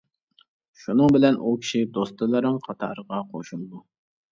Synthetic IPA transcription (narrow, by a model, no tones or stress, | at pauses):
ʃunɨŋbɪlɛnʔukʲʰi̥ʃid̪ost̪ɨlˠɨɾɨŋqʰɑt̪ʰɑ̰ɾəʁɑqʰoʃulˠɨd̪u